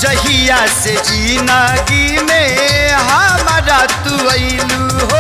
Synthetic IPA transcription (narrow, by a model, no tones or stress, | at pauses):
d͡ʒɐɦijaːsed͡ʒiːnaːɡimeɦamaɾaːt̪uʋɐi | luːɦo